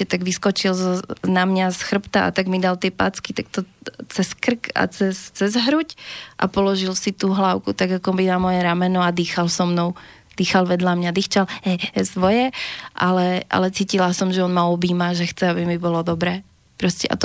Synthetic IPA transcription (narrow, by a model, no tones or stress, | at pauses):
ɛt̪aɡʋiskɔt͡ʃilznamɲasxr̩pt̪aʔa̰t̪aɡmid̪alt̪ɪɛpa̰t͡skit̪akt̪ɔt͡sɛskr̩ka̰t͡sɛst͡sɛzɦɾucʔa̰pɔlɔʒilsit̪uːɦlaʊkut̪aɡakɔbinamɔjɛɾamɛnɔad̪iːxalsɔmnɔʊ | d̪̥iːxalʋɛd̪lamɲad̪iːxt͡ʃalhɛsʋɔjɛʔalɛʔa̰lɛt͡siːcilasɔmʒɛɔnmaɔbiːmaʒɛxt͡sɛabimibɔlɔd̪ɔbɾɛː | pɾɔscɛʔa̰t̪